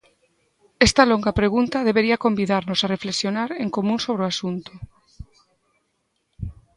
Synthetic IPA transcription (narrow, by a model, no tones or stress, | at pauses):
ɛst̪ɐloŋɡapɾeɣunt̪aðeβ̞eɾiɐakombiðaɾnosarefleksjonaɾeŋkomũnsoβ̞ɾeoasunt̪ʊ̥